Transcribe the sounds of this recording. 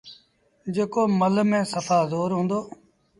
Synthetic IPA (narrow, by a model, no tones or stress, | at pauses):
d͡ʒeːkoːməlmẽːsəfʰaːzoːɾɦũːnd̪oː